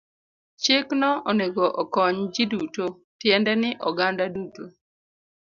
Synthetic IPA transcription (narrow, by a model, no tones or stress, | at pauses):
t͡ʃeknɔɔneɡɔʔɔkɔɲd͡ʒɪduto | tjɛndɛnɪʔɔɡandaduto